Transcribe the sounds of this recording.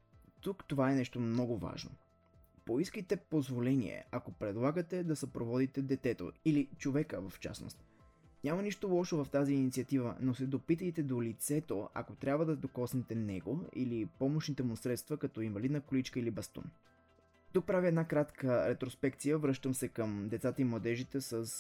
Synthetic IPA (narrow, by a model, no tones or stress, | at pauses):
t̪ukt̪ovaɛnɛʃt̪omnɔɡova̰ʒno̰ | poiskəjt̪ɛpozvolɛnḭɛ̰ʔɐkopɾɛd̪lˠaɡət̪ɛd̪ɐsɐpɾovɔd̪it̪ɛd̪ɛt̪ɛt̪o̰ilit͡ʃovɛkəvɐft͡ʃa̰sno̰st̪ | nʲamɐniʃt̪olˠɔʃovɐft̪aziːnit̪siət̪ivə̰nosɛd̪opit̪əjt̪ɛd̪olit̪sɛt̪oɐ̰kot̪ɾʲjabvəd̪ɐd̪okɔsnɛt̪ɛnɛ̰ɡoḭlipɔmoʃnit̪ɛmʊsɾɛt̪st̪vəkɐt̪ɔinvɐlid̪nəkolit͡ʃkəilibɐst̪ṵn | t̪uk̚pɾaviɛd̪nakɾat̪kəɾɛt̪ɾospɛkt̪sijəvɾɤʃt̪əmsɛkəmd̪ɛt̪sat̪əimlˠɐd̪ɛʒit̪ɛsəs